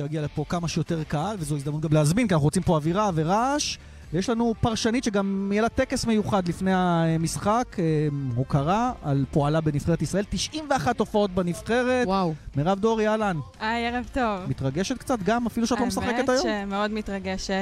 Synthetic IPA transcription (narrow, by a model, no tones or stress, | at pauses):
ejaɡialepo̞kamaʃjot̪eʁkaalvezoizd̪amnut̪ɡamleazminkianaχuʁot͡simpo̞aviʁaveʁaʃ | vejeʃlanupaʁʃanit̪ʃeɡamjelat̪e̞kesme̞juχad̪lifnejamisχakehokaʁaalpoalabe̞nifχeetisʁae̞lt̪iʃʔimveaχat̪ːo̞fao̞t̪̚banifχe̞ʁe̞twawmiʁavd̪o̞ʁjalanajeʁavt̪ovmit̪ʁaɡeʃet̪̚kt͡sat̪ɡamafiluʃeatlo̞messaχeket̪ajjommeod̪mit̪ʁaɡeʃet